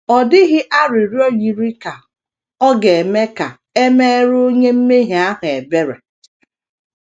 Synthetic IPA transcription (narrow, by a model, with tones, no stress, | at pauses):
ɔ˨dɪ˦ɣɪ˦ʔa˦ɾi˨ɾi˦o˦ji˨ɾi˦ka˨ | ɔ˦ɡe˨e˨me˦ka˨ | e˦me˦e˦ɾo˦ɲe˦m̩˦me˦ɦe˨a˦ɦʊ˨e˨be˦ɾa˨